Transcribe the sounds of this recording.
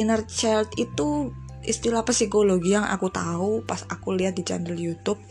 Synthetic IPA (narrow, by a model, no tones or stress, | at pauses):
inərt͡ʃɛlt̪it̪u | ist̪ilahpəsikoloɡijaŋʔa̰kut̪aupasakuliat̪̚did͡ʒa̰nəljut̪ʊp̚